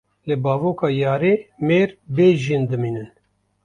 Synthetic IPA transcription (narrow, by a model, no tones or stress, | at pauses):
lɨbɑːvoːkɑːjɑːɾeːmeːɾbeːʒind̪ɨmiːnɨn